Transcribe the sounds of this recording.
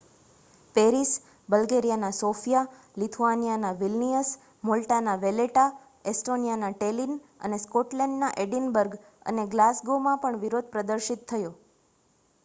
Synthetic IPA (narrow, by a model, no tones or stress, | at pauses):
peɾis | bəlɡeɾijanasofija | lit̪ʰuanijanaʋilnijəs | molʈanaʋeleʈa | esʈonijanaʈelinə̰neskoʈlɛ̃ɳɖnaʔeɖinbəɾɡ | ə̰neɡlasɡomãpəɳʋiɾod̪̚pɾəd̪əɾʃit̪ʰːəjo